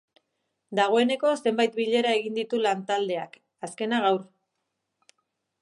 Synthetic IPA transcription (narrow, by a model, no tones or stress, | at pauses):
d̪aɣ̞o̞e̞ne̞ko̞se̞mbajt̪biʎe̞ɾae̞ɣ̞ind̪it̪ulant̪ald̪e̞ak | aske̞naɣ̞awr